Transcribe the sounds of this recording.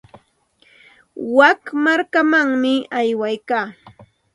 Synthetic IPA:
wakmaɾkamaŋmɪajwajkaː

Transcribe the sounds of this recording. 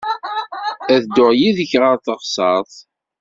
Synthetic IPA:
æðd̪ʊʁjiðəçʁɑnθəʁsɑðˤ

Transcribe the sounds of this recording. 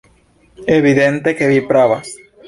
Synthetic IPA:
eβiðent̪ekeβipɾaβa

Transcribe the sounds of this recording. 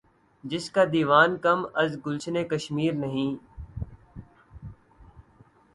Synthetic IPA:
d͡ʒɪskaːd̪iːʋaːnkɐmɐzɡʊlt͡ʃnekəʃmiːɾnɐɦĩː

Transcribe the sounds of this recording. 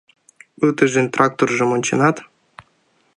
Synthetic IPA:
ɯt̪əʒenʲt̪rʔɑk̚t̪orʒɤ̆monʲt͡ɕĕnɑt̪

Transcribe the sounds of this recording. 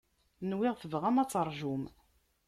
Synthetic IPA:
nwɪʁθəvʁæmæt͡sːəɾˤʒum

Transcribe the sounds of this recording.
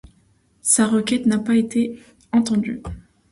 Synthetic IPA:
saʁəkʲɛt̪napaet̪ʰe | ɑ̃t̪ɑ̃d̪y̰

